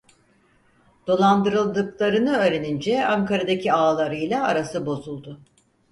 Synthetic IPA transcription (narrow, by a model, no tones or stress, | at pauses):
d̪̥o̞lˠand̪ɯɾɯlˠd̪ɯklˠaɾɯnɯø̞ːɾe̞nind͡ʒɛaŋkaɾad̪acʰiaːlˠaɾɯjlʲˠaaɾasɯbo̞zulˠd̪ʊ